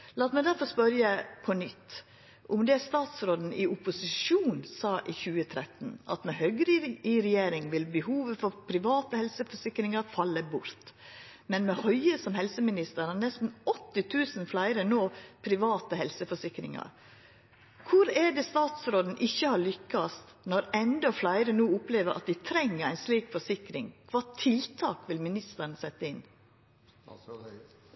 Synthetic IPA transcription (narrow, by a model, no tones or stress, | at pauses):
lɑːt̪mæɪd̪æɾfɔɾspœɾjəpʰɔnʏt̪ː | ʔʊmd̪ɛːst̪ɑːt̪sɾoːd̪n̩ɪʊpʊsɪʂuːnsɑːʔɪːçʉːət̪ʰɾɛt̪n̩ɑ̰t̪mɛhœɡɾɪɪɾɛjeːɾɪŋʋɪlbəhuːʋəfɔɾpʰɾɪʋɑːt̪əhɛlsəfɔʂɪkɾɪŋɑɾfɑlːəbʊɾt̪mɛnmɛhœʏəsɔmhɛlsəmɪnɪst̪əɾɑnɛst̪n̩ɔt̪ːɪt̪ʰʉːsənflæɪɾənoːpʰɾɪʋɑːt̪əhɛlsəfɔʂɪkɾɪ̰ŋɑ̰ɾ | kʰʊɾɛɖɛst̪ɑːt̪sɾoːd̪n̩ʔɪçːəhɑːɾɭʏkːɑst̪ | nɔɾɛnd̪ɔflæɪɾənuːʊpleːʋəɾʔɑ̰t̪̚d̪ɪt̪ʰɾɛŋːəɾæɪnsliːkfɔʂɪkɾɪŋkʰʋɑːt̪ʰɪlt̪ʰɑːkʋɪlmɪnɪst̪əɾnəsɛt̪ːəɪn